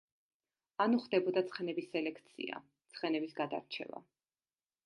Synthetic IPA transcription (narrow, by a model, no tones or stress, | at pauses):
anuχd̪ɛbɔd̪at̪sʰχɛnɛbisːɛlɛkʰt̪sʰḭa̰ | t̪sʰχɛnɛbisɡad̪a̰ɾt͡ʃʰɛ̰va̰